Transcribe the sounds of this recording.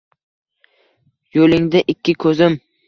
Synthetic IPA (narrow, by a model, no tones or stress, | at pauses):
jolɪŋd̪ɪʔɪkʲʰːɪkʰɵzɪm